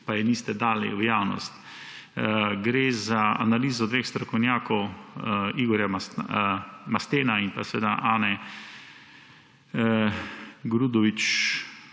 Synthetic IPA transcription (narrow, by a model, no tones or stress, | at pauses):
pajɛniːst̪ɛd̪aːlḭwjaːwnɔ̰st̪ | ɡɾeːzaa̰naliːzɔd̪ʋeːxst̪ɾɔkɔwnjaːkɔw | iɡɔɾja | mast̪eːnainpasɛʋeːd̪a̰ʔaːnɛ | ɡɾud̪ɔʋit͡ʃ